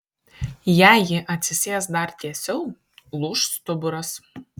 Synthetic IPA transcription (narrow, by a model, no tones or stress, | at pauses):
jæːjɪʔɐt̪ʲsʲɪsʲeːsd̪ɐɾt̪ʲiɛsʲɪlˠ | lˠuːʃst̪ʊbʊɾɐs